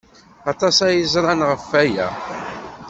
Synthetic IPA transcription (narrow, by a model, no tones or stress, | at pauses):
ɑt̪ˤɑsæjizˤɾˤɑnʁəfːæjæ̰